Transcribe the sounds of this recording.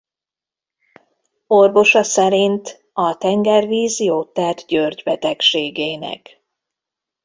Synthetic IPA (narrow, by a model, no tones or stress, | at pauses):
o̞rvo̞ʃɒsɛɾint̪ | ɒt̪ɛŋɡɛrviːzijoːt̪ːɛrt̪ɟørɟbɛt̪ɛkʃeːɡeːnɛ̰k